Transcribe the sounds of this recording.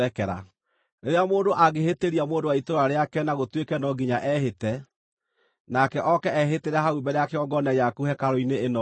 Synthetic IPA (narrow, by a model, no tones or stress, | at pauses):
ɛkɛɾa̰ | neɾeamoːndoʔaɣeheteɾiamoːndowaitoɾwaɾeakɛnaɣotwekɛnɔɡiɲaʔɛhetɛ | nakɛʔɔkɛɛɦeteɾɛhaubɛɾeakeɔɡɔnɛjakuhɛkaɾɔineːnɔ